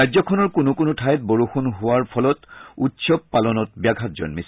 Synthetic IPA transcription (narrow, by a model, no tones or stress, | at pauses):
ajzɔkʰɔnɔɹkunʊkʊnʊtʰajt̚boɹuxunɦʊwaɹpʰɔlɔtutsɔbpalɔnɔt̚bjaɡʱatzɔ̰nmis